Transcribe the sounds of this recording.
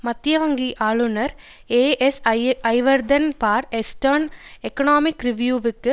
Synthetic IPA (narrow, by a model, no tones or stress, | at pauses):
mɐt̪jɐʋɐŋɡiʔaːɭunɐɾ | eːʔesɐjʋɐɾd̪ɐnpaːɾesʈɐɾnekːɐnoːmikːɾiʋjuːʋɯkːɨ